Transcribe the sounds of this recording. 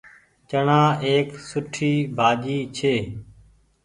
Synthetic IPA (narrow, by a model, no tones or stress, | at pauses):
t͡ʃəɳãːeːksʊʈʰiːbʱaːd͡ʒiːt͡ʃʰeː